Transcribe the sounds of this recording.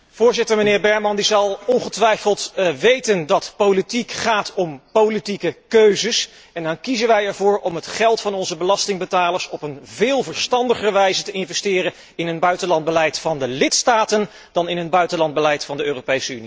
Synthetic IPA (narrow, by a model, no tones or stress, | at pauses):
v̥ʊːɹzɪtəɹmənɪːɹbɛɹmɑndizɑlˠɔnχətʋɛjfəlˠtʋejtəndɑtpowlitikχaːtʰɔmpowlitikəkøɥzəs | ɛndɑnkizənʋɛjɛɹvʊːɹʔɔmɦətχɛlˠtfɑnɔnzəbəlɑstɪŋbətaːləɹsɔpənvɪːlˠvəɹstɑndəχərəʋɛjzətəɪnvɛstɪːrən | ɪnɦənbœɥtənlɑnd̚bəlɛjtfɑndəlɪtstaːtən | d̥ɑnɪnənbœɥtənlɑnd̚bəlɛjtfɑndəøːrowpejsəyni